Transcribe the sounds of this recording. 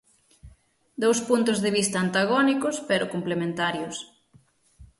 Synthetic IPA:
d̪owspunt̪ʊzðeβist̪aːnt̪aɣ̞ɔnikʊspeɾʊkomplemẽnt̪aɾjʊs

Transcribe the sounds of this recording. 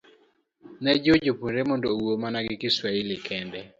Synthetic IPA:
nɛd͡ʒod͡ʒopunɾɛmɔndowomanaɡɪkɪswailɪkʰɛndɛ

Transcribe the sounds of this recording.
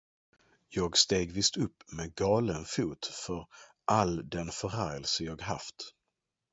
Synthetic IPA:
jɑːɡst̪eːɡvɪst̪ɵpːmeɡɑːlənfuːt̪fœɾ | ʔald̪ɛnfœɾæɾjəlsəjɑːɡɦaft̪

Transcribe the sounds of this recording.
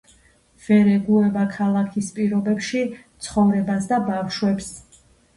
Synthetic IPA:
v̥ɛɾɛɡuɛbakʰalˠakʰispʼiɾɔbɛpʃit̪sʰχɔvɾɛbasd̪abafʃwɛps

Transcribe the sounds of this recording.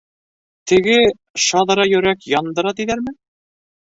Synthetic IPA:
t̪ɘ̆ɡɘ | ʃɑðɾɑjɵ̆ɾækjɒnd̪ɤ̆ɾɑt̪iðæɾmɘ

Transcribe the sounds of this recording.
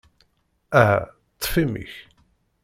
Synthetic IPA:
æɦæ̰ | t̪ˤːfimḭç

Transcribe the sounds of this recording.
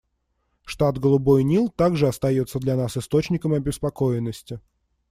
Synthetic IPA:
ʂt̪at̪ɡəlˠʊbojnʲilˠt̪aɡʐɨɐst̪ɐjo̞t̪sːəd̪lʲɐnasɨst̪o̞t͡ɕnʲɪkəmɐbʲɪspɐko̞ɪnːəsʲtʲɪ

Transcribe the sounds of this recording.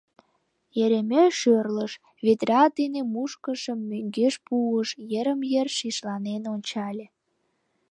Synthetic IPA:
jeɾemʲeʃørləʃ | βet̪rʲɑd̪enemuʃkəʃəmːøŋɡeʃpuəʃjəɾəmjerʃiʃlɑnenonʲt͡ɕɑlʲe

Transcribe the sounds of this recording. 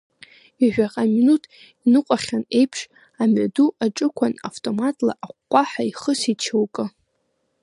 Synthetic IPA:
iʕᶣʷaqʼaminutʰ | inɨqʷʼaχʲane̞jpʰʂ | amaduaʈ͡ʂʼɨkʷʰana̰ftʼo̞matʼla̰ʔaqʷːʼaħaiχəsit͡ʃʰɨwkʼɨ

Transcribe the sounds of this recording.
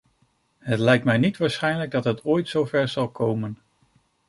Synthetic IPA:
ɦətlɛjk̚tmɛjnitʋaːɹsχɛjnləɡ̚dɑtɦətʰoːjtsowvɛɹzɑlˠkowmən

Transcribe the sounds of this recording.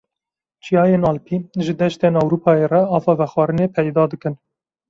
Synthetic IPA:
t͡ʃʰijɑːjenɑːlpʰiːʒɨd̪ɛʃt̪eːnɑwɾuːpʰɑːjeːrɛɑːfɑːvɛxwɑːɾɨneːpʰɛjd̪ɑːd̪ɨkɨn

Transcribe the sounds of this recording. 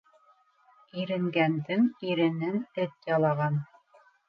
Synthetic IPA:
iɾɘ̆ŋɡænd̪ɘŋiɾɘ̆nɘnɘt̪jɑlˠɑʁɑn

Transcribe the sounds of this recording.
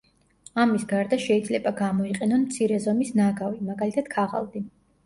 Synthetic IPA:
amisɡaɾd̪aʃɛid̪zlɛbaɡamɔiqʼɛnɔnmt̪sʰiɾɛzɔmisnaɡavimaɡalit̪ʰad̪̥̚kʰaʁa̰lˠd̪i

